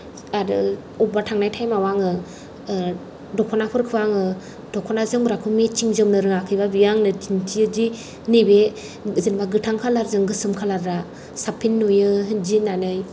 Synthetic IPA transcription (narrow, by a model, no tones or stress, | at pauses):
adɯ | ɔbatʰaŋnajtʰajmawaŋɯ | dɔkʰɔnapʰɯɾkʰɯwaŋɯ | d̥ɔkʰɔnazɯŋbɾakʰɯmet͡ʃiŋzɯmnɯɾɯŋakʰɯjbabijaŋnɯtintʰiɯd͡ʒi | nibe | zɯnbaɡɯtʰaŋkʰalaɾzɯŋɡɯsɯmkʰalaɾɾa | sapʰinːujɯd͡ʒinanɯj